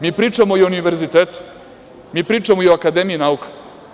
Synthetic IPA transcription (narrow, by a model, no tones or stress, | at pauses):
miːpɾiːt͡ʂamoiouniʋeɾzit̪eːt̪u̥ | miːpɾiːt͡ʂamoioakad̪emiinaukḁ